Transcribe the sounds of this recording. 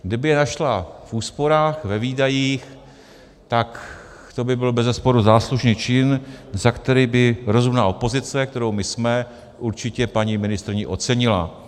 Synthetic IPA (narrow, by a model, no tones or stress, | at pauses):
ɡdɪbɪjɛnaʃlafʔuːspo̞ɾaːxvɛviːdajiːx | t̪ak | t̪o̞bɪbɪlbɛzɛspo̞ɾuzaːsluʒniːt͡ʃɪnzakt̪ɛɾiːbɪɾo̞zumnaːo̞po̞zɪt͡sɛk̚t̪ɛɾowmɪsmɛ | ʔuɾt͡ʃɪcɛpaɲimɪnɪst̪ɾɪɲɪʔo̞t͡sɛɲɪla̰